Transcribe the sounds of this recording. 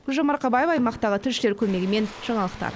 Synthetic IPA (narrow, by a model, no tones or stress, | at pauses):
ʊlʒɑmɑɾqɑbɑjefɑjmɑqt̪ɑʁət̪ʰʏʃɪlekʲʰɵmeɡʲɪme̞nʒ̥ɑɴɑlˠəqt̪ɑ̰ɾ